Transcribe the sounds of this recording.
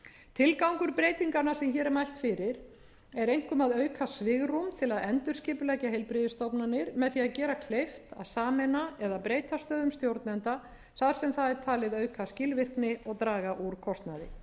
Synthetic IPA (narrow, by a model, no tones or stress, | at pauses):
t̪ʰɪlkawŋkʏɾpɾeːjt̪iŋkanasɛmçɛːɾɛmajl̥t̪fɪɾɪɾ̥ | ɛɾejŋ̥kʏmaðœːɥkʰasvɪɣrumt̪ʰɪlaðɛnt̪ʏɾ̥scɪːpʏlɛcaɦejlpɾɪðɪst̪ɔpnanɪɾmɛðθiaðcɛːɾakʰlejft̪a̰ðsaːmɛnaɛðapɾeːjt̪ast̪œːðʏmst̪jowɾt̪nɛnt̪a | θaðɾ̥sɛmθaðɛɾ̥t̪ʰaːlɪðœːɥkʰascɪlvɪr̥knɪɔɣt̪ɾaːɣaʔuɾ̥kʰɔst̪naðɪ̰